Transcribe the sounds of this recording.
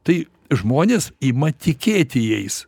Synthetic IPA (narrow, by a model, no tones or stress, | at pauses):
t̪ɐɪ | ʒmoːnʲeːsiːmɐt̪ʲɪkʲeːt̪ʲɪjɛɪs